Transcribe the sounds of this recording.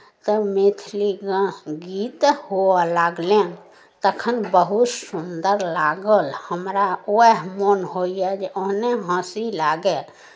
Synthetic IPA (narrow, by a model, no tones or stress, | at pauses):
t̪əmet̪ʰliɡə̃ɡit̪hoalaɡlẽ | t̪əkʰənbəɦut̪sund̪əɾlaɡəlhəmɾaoɛɦmonɦoijɛd͡ʒeoɦneɦãsilaɡe